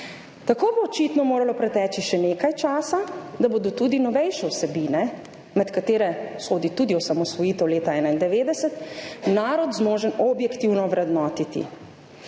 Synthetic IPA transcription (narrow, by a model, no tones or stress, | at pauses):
t̪akoːboːt͡ʃit̪nɔmoːɾalɔpɾɛt̪ɛːt͡ʃiʃɛneːkajt͡ʃaːsad̪abod̪ɔt̪ud̪inɔʋɛjʃɛwsɛbiːnɛ | mɛt̪kat̪eːɾɛsoːd̪it̪ud̪iɔsamɔsʋɔjit̪ɛwleːt̪aɛːnaind̪ɛʋeːd̪ɛsɛt̪naːɾɔd̪zmoːʒənɔbjɛkt̪iwnɔʋɾɛd̪nɔːt̪it̪ḭ